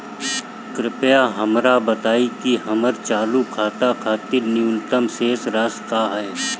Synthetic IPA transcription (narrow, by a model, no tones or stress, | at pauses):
kɾɪpjaɦɐmɾabət̪aːikiɦɐməɾt͡ʃaːlukʰaːt̪akʰaːt̪ɪɾnijʊnt̪əmseːsɾəskaːɦɛː